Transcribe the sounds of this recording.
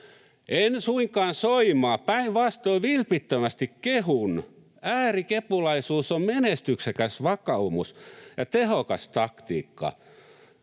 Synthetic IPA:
ʔensuiŋkɑːnsoimɑːpæiʋʋɑst̪oiʋilpit̪ːømæst̪ikkehun | æːrikepulɑisuːsommenest̪yksekæsʋɑkɑumusjɑt̪ehokɑst̪ɑkt̪ḭːkːɑ̰

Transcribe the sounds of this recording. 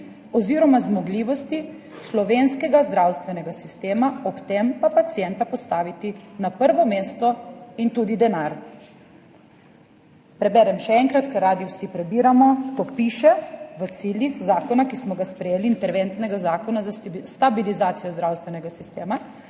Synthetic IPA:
ɔziɾɔmazmɔɡliːʋɔst̪i | slɔʋenskɛɡazd̪ɾawst̪ʋɛnɛɡasist̪eːmaɔpt̪empapat̪sijɛnt̪apɔst̪aːʋit̪inapəɾʋɔmeːst̪ɔint̪uːd̪id̪ɛnaɾ | pɾɛbɛɾɛmʃɛɛŋkɾat̪kɐɾaːd̪iwsipɾɛbiːɾamɔk̪ɔpiːʃɛʋət̪siːljixzaːkɔnakismɔɡaspɾɛjeːliːnt̪ɛɾʋent̪nɛɡazaːkɔnazast̪abilizaːt̪sijɔzd̪ɾawst̪ʋɛnɛɡasist̪eːma

